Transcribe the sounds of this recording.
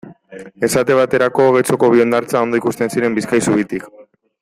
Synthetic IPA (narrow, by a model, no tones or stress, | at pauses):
e̞sat̪e̞β̞at̪e̞ɾako̞ːɣe̞jt͡so̞ko̞β̞io̞nd̪aɾt͡sao̞nd̪o̞ikust̪e̞nsiɾe̞mbiskajsuβit̪ik